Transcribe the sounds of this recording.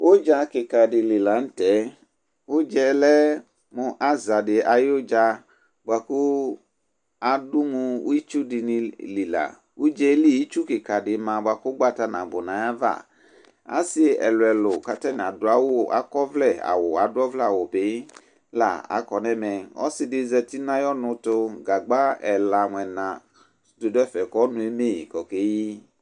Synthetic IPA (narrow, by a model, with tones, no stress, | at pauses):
wo˦d͡ʒa˧kɪ˨ka˨dɪ˨li˨la˨n̩˦tɛ˨˦ | wo˦d͡ʒɛ˦lɛ˦ | mũ˨ʔa˦za˨dɪ˨ʔa˨jo˦d͡ʒa˧ | bʊ˨a˨ku˦ | a˨dʊ˦mũ˧˦i˦t͡ʃu˦di˨nĩ˨li˨la̰˨ | wu˦d͡ʒɛ˦li˦ji˦t͡ʃu˦kɪ˨ka˨dɪ˨mã˨ba˨ku˦ɡ͡ba˦ta˨nã̰˨bo˨nã˨˦ja˦va̰˦˨ | a̰˦sɪ˦ɛ̰˨lʊ˨ɛ˨lʊ˨ka˨tɛ˦n˨a˨dʊ˨a˦wo˦a̰˦kɔ˦vlɛ˦˨a̰˨wʊ˨a˨dʊ˦ɔ˦vlɛ˦a˨wo˨pe˨˦ | la̰˨a̰˨kɔ˨nɛ̃˦mɛ˨ɔ̰˦sɪ˨dɪ˨zɛ˨ti˦nã˦jɔ˦nʊ̃˧tʊ˧ɡa˨ɡ͡ba˦ɛ˨la˨ŋ˨ɛ˨nã˨ | do˨dʊ˦ɛ˦fɛ˨kɔ˦nʊ̃˨e˦me˦˨kɔ˨ke˦ji˦